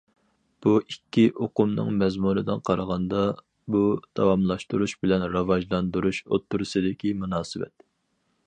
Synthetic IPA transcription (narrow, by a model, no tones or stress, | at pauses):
b̥uikʲːiʔoqʊmnɨ̰ŋmɛzmunɨd̪ɨnqʰɑɾʁɑnd̪ɑ | bud̪̥ɑwɑmlˠɑʃt̪uɾuʃbɪlɛnɾɑvɑʒlˠɑnd̪uɾuʃo̰t̪ʰːuɾɨsɨd̪ɪkʲimunɑːsɨwɛ̰t̪